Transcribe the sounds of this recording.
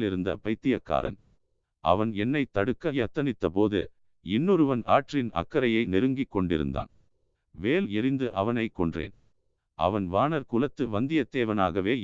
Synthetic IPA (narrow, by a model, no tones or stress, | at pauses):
lɪɾɯnd̪ɐ̰pɐɪt̪ːɪjɐkːa̰ːɾɐ̰n | ʔɐ̰ʋɐnɛnːɐɪt̪ɐɽɯkːɐjɐt̪ːɐnɪt̪ːɐpoːðɯ̰ | ɪnːɯɾɯʋɐna̰ːʈrɪnɐ̰kːɐɾɐjɐɪnɛɾɯŋɡɪkːɔɳɖɪ̰ɾɯ̰nd̪a̰ːn | ʋeːlɪɾɪnd̪ɯʔɐʋɐnɐɪkːɔɳdrḛːn | ʔɐ̰ʋɐnʋaːnɐɾkʊlɐt̪ːɯʋɐnd̪ɪjɐt̪ːeːʋɐna̰ːɣɐʋeː